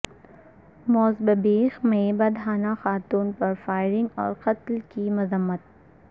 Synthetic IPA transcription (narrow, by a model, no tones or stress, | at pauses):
mɔːzbɐbeːxmẽbɐd̪ɦaːnaxaːt̪uːnpɐɾfaːɪɾɪ̃ŋɡɔ̰ːɾqɐt̪lkimʊzəmːət̪̚